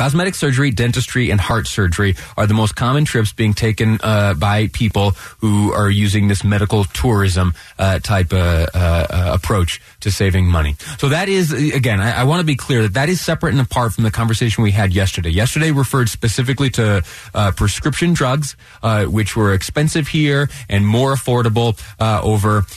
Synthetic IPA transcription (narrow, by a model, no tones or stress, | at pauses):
kʰɑzmɛɾɨksɜ˞d͡ʒə˞idɛ̃ntɨstɹ̥iʔɨ̃nhɑɹtsɜ˞d͡ʒə˞iʔə˞ðəmoʊskʰɑmɨ̃ntʰɹ̥ɪpsb̥iɪ̃ŋtʰeɪkɨ̃nbaɪpʰipl̩ˠhuə˞jʉzɪ̃ŋðɪsmɛɾɨkl̩ˠtʰʊɹɪzə̃m | tʰaɪp | ə̰pʰɹ̥oʊt͡ʃ | tʰɨseɪvɪ̃ŋmʌñḭsoʊðɨɾɪzɨɡɛ̃naɪʔa̰ɪwɑ̃ntʰəbikʰl̥ɪɹðɨt̪̚ðɨɾɨz̥sɛpɹɨɾ̃nəpʰɑɹtfɹʌ̃mðɨkʰɑ̃ɱvə˞seɪʃn̩wiɨdjɛstə˞deɪjɛstə˞ɾeɪɹɨfɜ˞d̥spɨsɪfɨkliɾɨ | pʰɹ̥ɨskɹ̥ɪpʃɨ̃ndɹʌɡz | wɨt͡ʃwə˞ɨkspɛ̃nsɨv̥hiɹʔɨ̃nmɔɹəfɔɹɾəbl̩ˠʔo̰ʊvə˞